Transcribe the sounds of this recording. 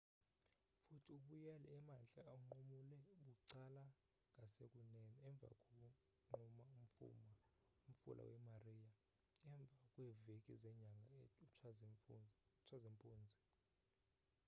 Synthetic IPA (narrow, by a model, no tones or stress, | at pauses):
futʰiuɓujalɛɛmanɬʼaːuŋ͡ǃumulɛɓuǀala | ŋʱʼasekʼunɛniɛɱb̪vʱa̰kʼok̬ʼu | ŋ͡ǃumaum̩ṵm | um̩fṵlʔa̰wɛmariːja | ɛɱb̪vʱakʼwɛvekʼizɛɲaŋɡʱau | t͡ʃʰwazempʼuːnd͡zʱi